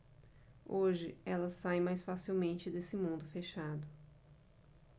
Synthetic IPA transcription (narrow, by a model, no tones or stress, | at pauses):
oʒɪɛlɐsajmajsfasiwmẽnt͡ʃɪd̪esɪmũnd̪ʊfeʃad̪ʊ